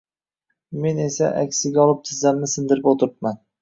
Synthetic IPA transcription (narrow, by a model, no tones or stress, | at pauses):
me̞ne̞sa̰ʔa̰kʲsɪɡʲaɒlˠɪp̚t̪ʰɪzamnɪsɪnd̪ɪɾɪpot̪ʰɪɾɪp̚man